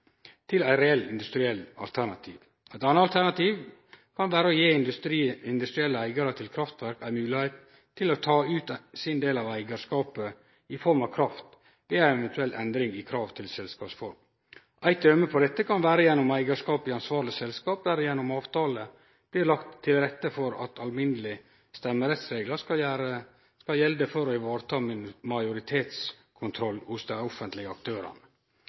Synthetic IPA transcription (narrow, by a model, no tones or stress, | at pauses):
t̪ʰɪlæɪɾɛɛlːɪ̰nd̪ʉst̪ɾɪɛlːɑ̰lt̪ʰæɾɳɑt̪ʰḭːʋ | æɪt̪ɑnːəɑlt̪ʰæɾnɑt̪ʰiːʋ | kʰɑnʋæːɾəɔjeːɪnd̪ɾiɪnd̪ʉst̪ɾɪɛlːəæɪɡɑɾət̪ʰɪlkʰɾɑft̪ʋæɾkæɪmʉːlɪheːt̪ʰː | ɪlɔt̪ʰɑːʉːt̪sɪnd̪eːlɑʋæɪɡəʂkɑːpə | ɪfɔɾmɑʋkʰɾɑft̪ | ʋeæɪɛʋɛnt̪ʰʉɛlːʔɛnd̪ɾɪŋɪkʰɾɑːʋt̪ʰɪlsɛlskɑːpsfɔɾm | ʔæɪt̪œməpʰɔd̪ɛt̪ːəkʰɑnʋæːɾəjɛnːɔmæɪɡəʂkɑːpɪɑnsʋɑːɾɭɪsɛlskɑːp̚d̪æɾjɛnːɔmɑːʋt̪ʰɑːlə | b̥lɪɾlɑkt̪ʰːɪlɾɛt̪ːəfɔɾɑ̰t̪ʰɑlmɪnəlɪ | st̪ɛmːəɾɛt̪sɾeːɡləɑæɾə | skɑljɛld̪əfɔɾɔɪʋɑːɾət̪ʰɑːmɪmɑɪjʊɾɪt̪ʰeːt̪s | kʰʊnt̪ʰɾɔlːhʊsd̪ɛɾɔfənt̪lɪɡəɑk̚t̪ʰøːɾə̰nə